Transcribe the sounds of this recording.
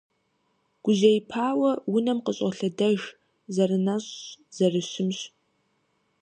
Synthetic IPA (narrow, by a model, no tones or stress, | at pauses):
ɡ̥ʷʊʒɐjɪpʰaːwɐwʊnɐmqəɕʼɐɬɐdɐʒ | zɐrɨnɐɕz̥ɐrɨɕɪmɕʼ